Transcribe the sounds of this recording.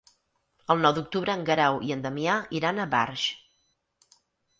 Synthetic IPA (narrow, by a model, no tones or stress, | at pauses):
əlˠnɔwd̪uk̚t̪uβɾəːŋɡəɾawʔiənd̪əmiaiɾanəβa̰ɾʃ